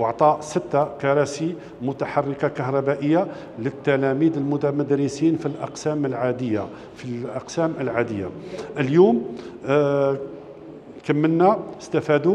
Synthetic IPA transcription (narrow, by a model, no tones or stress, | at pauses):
wɑʕt̪ˤɑʔsət̪ːakɑɾˤɑsi | mʊt̪aħɑrˤːəqɑkɑɦɾˤɑbæʔəjːa | lət̪ːælæmid̪əlmʊd̪æmæd̪ɾəsinfilʔɑqsæməlʕad̪jːa | ilʔɑqsæməlʕad̪əjːa̰ʔəljum | kəmːənːæəst̪æfæd̪u